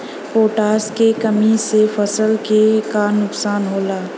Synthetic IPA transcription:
poːʈaːskekəmisefɐsəlkekaːnːʊksaːnɦoːlaː

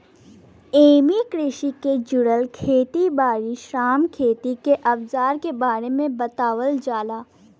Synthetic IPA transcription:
eːmikɾɪʃiked͡ʒʊɽəlkʰeːt̪ibaːɾiʃaːmkʰeːt̪ikeʔɐbzaːɾkebaːɾemẽbɐt̪aːwəld͡ʒaːlaː

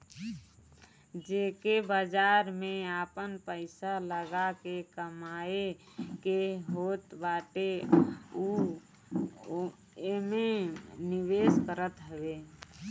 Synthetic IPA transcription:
d͡ʒeːkebad͡ʒaːɾmẽaːpənpəɪsaləɡakekəmaːe | keɦoːt̪baːʈe | u | emenɪweːskəɾət̪ɦɛʋeː

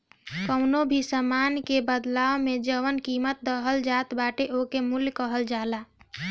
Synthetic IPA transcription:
kəʊnobʱisəmaːnkebəd̪laːomẽd͡ʒəʋənkiːmət̪̚d̪əɦəld͡ʒaːt̪baːʈeʔokemʊljkəɦəld͡ʒaːlaː

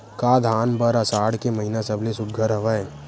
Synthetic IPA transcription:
kaːd̪ʱaːnbəɾasaːɽkemɐɦinasəblesʊd̪̚ɡʱəɾɦɐʋae

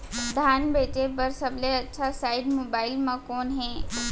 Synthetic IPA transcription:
d̪ʱaːnbeːʈebɐɾsəbleɐtːʃʰasaːɪɖmoːbaːɪlmãkoːnɦɛ̃ː

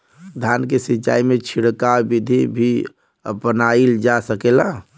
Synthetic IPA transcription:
d̪ʱjankesiːt͡ʃa̰imet͡ʃʰiɽkabid̪ʱibʱi | əpənaild͡ʒasəkela

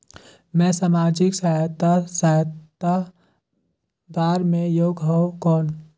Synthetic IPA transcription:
mɛ̃saːmaːd͡ʒɪksat̪asat̪a | d̪aːɾmẽjoːɡɦɔ̃okɔːn

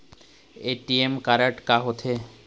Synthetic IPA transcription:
eʈiemkaɾaʈkaɦot̪ʰe

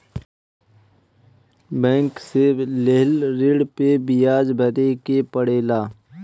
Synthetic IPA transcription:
bɛ̃ːŋkseleɦlɾɪɽpebɪjaːd͡ʒbʱɐɾekepəɽeːlaː

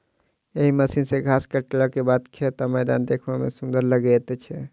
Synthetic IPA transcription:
eɦiməsinsẽɡʱaskəʈelakebad̪kʰet̪ɔməjd̪and̪ekʰbamḛsũnd̪əɾləɡɛt̪ɛt͡ʃʰɛ

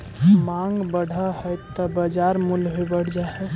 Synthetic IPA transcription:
mãŋɡbəɽ̤ʱaɦəjt̪ːɔbəd͡ʒaɾmulɦojbəɽ̤d͡ʒaɦɛ

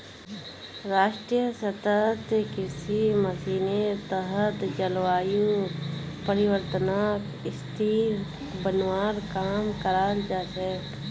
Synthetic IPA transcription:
ɾaːʃʈɾijəsət̪ət̪kɪsiməsiːnet̪əɦət̪d͡ʒəlwaːju | pəɾɪwəɾt̪naːk | ɪst̪ʰiːɾ | bənwaːɾkaːmkəɾaːld͡ʒaːsɛ

